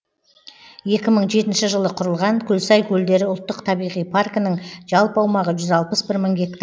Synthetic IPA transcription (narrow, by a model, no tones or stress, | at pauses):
je̞kʲɪməɴʒe̞t̪ɪnʃɪʒəlˠəqʰʊɾəlˠʁɑŋkʲʰɵlsɑjkʲʰɵld̪e̞ɾɪʊlˠt̪ːəqt̪ʰɑbijʁijpʰarkɪnəŋʒ̥ɑlˠpɑwmɑʁəʒʏzɑlˠpəsbɪɾməŋɡʲe̞kt̪